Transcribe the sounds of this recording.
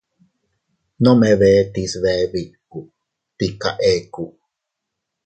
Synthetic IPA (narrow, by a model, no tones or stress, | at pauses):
nomeβɛt̪isβɛβikuʔ | t̪ika̰ʔekuʔ